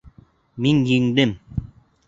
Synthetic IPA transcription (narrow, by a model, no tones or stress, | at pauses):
miŋjiŋd̪ɘm